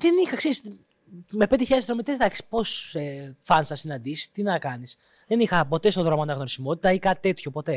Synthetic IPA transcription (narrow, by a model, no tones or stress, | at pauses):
ðenixɐkseɾis | me̞pe̞d̪içeesðɾomit̪esd̪ɐksi̥po̞sefɐnsɐsinɐnd̪isi̥st̪inɐkɐnis | ðe̞nixɐpo̞t̪e̞st̪o̞ðɾo̞moɐnɐɣno̞ɾisimo̞t̪i̥t̪ɐikɐt̪t̪e̞t̪ço̞po̞t̪e̞